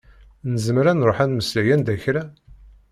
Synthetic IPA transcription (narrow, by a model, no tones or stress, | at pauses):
nəzəmɾænɾˤoħænməslæjænd̪æçɾæ